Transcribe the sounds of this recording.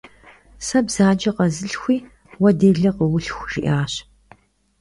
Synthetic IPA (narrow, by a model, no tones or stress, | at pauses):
sɐbz̥aːd͡ʒɐqɐzɨɬxʷiː | wɐdeːɮɐqəwʊɬxʷʒ̥iʔaːɕ